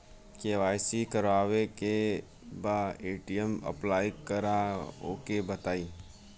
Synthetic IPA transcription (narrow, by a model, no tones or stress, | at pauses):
keːʋaːsikəɾaːʋeke | baeːʈijəmə̰plaːikəɾao̰kebət̪aːiː